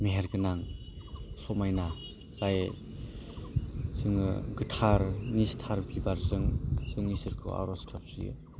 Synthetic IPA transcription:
meɦeɾɡɯnaŋ | sɔmajna | zaje | zɯŋɯ̰ɡɯtʰaɾnistʰaɾbibaɾzɯŋzɯŋnisɯɾkʰɯ̰a̰ɾɔskʰap̚sḭjɯ̰

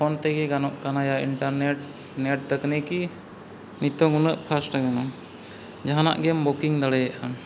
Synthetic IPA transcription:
pʰɔnt̪ɛɡɛɡanɔʔkanajaiɳʈaɾnɛʈ̚ | nɛʈ̚d̪əknɛki | nit̪ɔŋunəʔkʰasʈaɡanɔ | d͡ʒaɦana̰ʔɡɛmbɔkiŋd̪aɽɛjaʔan

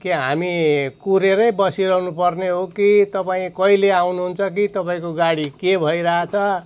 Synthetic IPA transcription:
keɦamikuɾeɾʌjbʌsiɾʌɦunupʌrneɦokit̪ʌpaĩkʌileawnuɦunt͡sʰʌk̬it̪ʌpãĩkoɡaɽikebʱʌiɾʌɦat͡sʰʌ

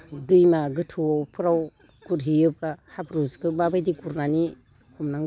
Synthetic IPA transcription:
dɯjmaɡɯtʰupʰɯɾaw | kuɾɦiɯpɾahapʰɾuzkɯbabajdikuɾnani | ɔmnaŋ

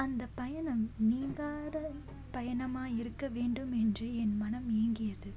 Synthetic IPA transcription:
ɐnd̪ɐpːɐjɐnɐmniːŋɡaːɾɐ | pɐjɐɳɐmaːjɪɾɯkːɐʋeːɳɖɯmɛndrɯɛnmɐnɐmeːŋɡɪjɐðɯ

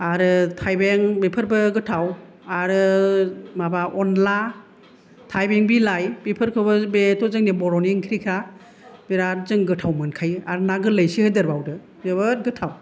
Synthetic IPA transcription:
aɾɯtʰajbeŋbepʰɯɾbɯɡɯtʰaw | aɾɯ | mabaʔɔnla | tʰajbeŋbilajbepʰɯɾkʰɯbɯbetʰɔzɯŋnebɔɾɔniŋkʰɾikʰa | beɾaɾzɯŋɡɯtʰawmɯnkʰaja̰ɾnaɡɯləjsihɯdɯɾbawdɯ | zɯβɯtɡɯtʰaw

